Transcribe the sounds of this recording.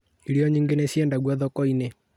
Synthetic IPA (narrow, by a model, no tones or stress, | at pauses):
iɾiɔɲiŋɡenesiɛndaɡwaðɔkɔine